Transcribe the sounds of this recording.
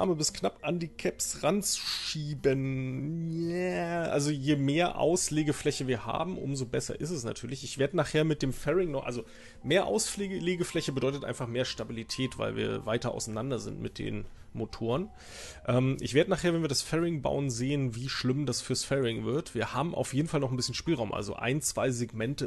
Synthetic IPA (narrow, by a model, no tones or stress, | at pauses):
ʔa̰ɐməbɪsknapʔandiːkʰɛpsʁant͡su̥ʃiːbənjaʔa̰lzojeːmeːɐʔa̰ʊsleːɡəflɛçəviːɐha̰ːbm̩ʔʊ̰mzobɛsɐ̰ʔɪstɛsna̰tʰyːɐlɪçɪçv̥eːɐdənaːχheːɐmɪt̚d̥eːmfɛʁɪŋnɔχʔa̰lzo | meːɐʔa̰ʊsfeleːɡəflɛçəbədɔʏtətʔa̰ɪnfaχmeːɐʃtabilitʰɛːtv̥a̰ɪlvḭːɐvaɪtɐʔa̰ʊsanandɐzɪ̰ntmɪt̚d̥ḛːn | motʰoːʁən | ʔɛːmʔɪ̰çv̥eɐdənaːχeːɐvɛnviːɐdasfɛʁɪŋba̰ʊənzeːənviːʃlɪmdasfyːɐsfɛʁɪŋvɪɐtv̥iːɐhaːbm̩ʔa̰ʊfjeːdn̩falnɔχn̩bɪsçən̩ʃpiːlʁaʊmʔa̰lzo̰ʔa̰ɪnt͡sv̥a̰ɪzeɡmɛntə